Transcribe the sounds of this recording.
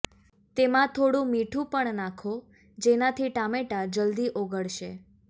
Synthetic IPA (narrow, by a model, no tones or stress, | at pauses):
t̪emãt̪ʰoɽũmiʈʰũpəɳnãkʰo | d͡ʒenat̪ʰiʈameʈad͡ʒəld̪iʔoɡəɭʃḛ